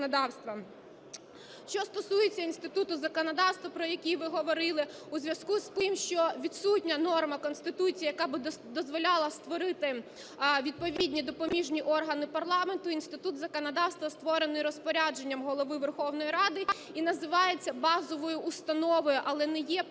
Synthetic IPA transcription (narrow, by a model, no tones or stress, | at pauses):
nɐd̪ɑwst̪ʋɐ | ʃt͡ʃɔst̪ɔsujet͡sʲːɐinst̪ɪt̪ut̪ʊzɐkɔnɐd̪ɑwst̪ʋɐpɾɔjɐkʲijʋɪɦɔʋɔɾɪlˠɪ | uzʲʋʲjɐskust̪ɪmʃt͡ʃɔʋʲid̪sutʲnʲɐnɔrmɐkɔnst̪ɪt̪ut͡sʲijjɐkɑbɪd̪ɔzʋɔlʲɑlˠɐst̪ʋɔɾɪt̪ɪ | ʋʲid̪̚pɔʋʲidʲnʲid̪ɔpɔmʲiʒnʲiʔɔrɦɐnɪpɐrlˠɑme̞nt̪ʊinst̪ɪt̪ut̪zɐkɔnɐd̪ɑwst̪ʋɐst̪ʋɔɾenɪjɾɔspɔɾʲad͡ʒenʲːɐmɦɔlˠɔʋɪʋerxɔwnɔjɾɑd̪ɪ | inɐzɪʋɑjet͡sʲːɐbɑzɔʋɔjʊʔːst̪ɐnɔʋɔjʊʔɐlˠɛnɛjɛ